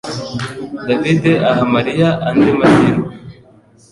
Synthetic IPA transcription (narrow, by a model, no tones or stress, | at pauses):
d̪avid̪eʔaɦamaɾijaʔːnd̪imaɾiɾo